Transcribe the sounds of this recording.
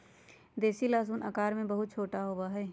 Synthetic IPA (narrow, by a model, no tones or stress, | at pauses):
d̪eːsilaːzuːnɐkaːɾmẽbɐɦʊt̪̚t͡ʃʰoːʈaɦoːwaɦɛː